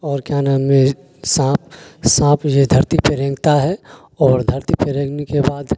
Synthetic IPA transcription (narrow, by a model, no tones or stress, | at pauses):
ɔːɾkjanaːmẽ | sãːpsãːpjed̪ʱɐɾt̪ipeɾẽːŋɡt̪aɦɛ | ɔːɾd̪ʱɐɾt̪ipeɾẽːɡnekebaːd̪